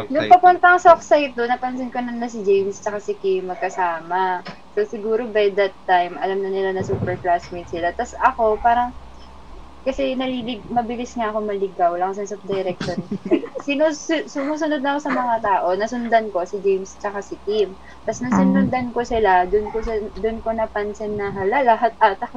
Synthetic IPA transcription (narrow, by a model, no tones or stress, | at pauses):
nʊŋpɐpʊnt̪ɐŋsoksajt̪̚d̪onːɐpɐnsɪnkonɐnlɐs̬ɪd͡ʒejmst͡ʃɐkasɪkimːɐɡ̚kɐsaːmɐ | so̞sɪɡuːɾo̞bɐjd̪ɐt̪ːajmʔɐlamnɐnɪlanɐsuːpɛɹplasmɪnsɪlat̪ɐsɐko̞paːɾɐŋ | kɐsɛnɐlilɪɡmɐbɪlɪsŋaʔɐko̞mɐlɪɡawlɐŋsɐnsɐp̚d̪ɐjɾɛk̚ʃonsiːnossʊmuːsʊnod̪̚nɐʔɐko̞sɐmɐŋat̪aːʔo̞nɐsʊnd̪anko̞sɪd͡ʒɛjmst͡ʃɐkasɪkim | t̪ɐsnɐsɪnɾʊnd̪anko̞sɪlad̪ʊnkosd̪onko̞nɐpɐnsɛnnɐɦɐlalaɦat̪̚ʔat̪ɐk